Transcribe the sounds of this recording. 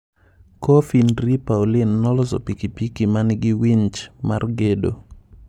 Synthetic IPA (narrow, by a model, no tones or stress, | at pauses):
kofinɾipaulɪnːɔlɔsɔ̰pikipikimanɡɪwiɲt͡ʃma̰rɡedo̰